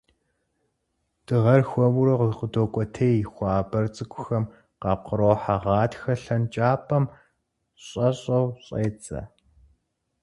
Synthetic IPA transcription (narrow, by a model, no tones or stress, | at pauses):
d̥ɨʁɐrxʷɔwʊɾɐʁqədoːkʷʼɔtʰejxʷɑːbɐrt͡sʼɨkʷʰʼʊxɐm | qɑːqəɾoːħaʁɑːtxɐɬɐnt͡ʃʼaːpʰɐm | ɕʼɐɕʼɐwɕʼeːt͡sʼɐ̰